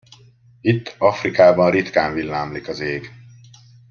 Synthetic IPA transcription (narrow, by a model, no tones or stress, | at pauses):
it̪ʰːɒfrikaːbɒnrit̪kaːɱvilːaːmlikɒzeːɡ